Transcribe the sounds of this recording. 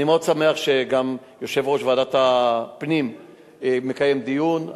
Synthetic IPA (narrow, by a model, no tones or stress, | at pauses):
nimeod̪same̞aχʃe̞ɡam | jo̞ʃe̞vʁo̞ʃveadat̪apnim | me̞kaje̞md̪ijun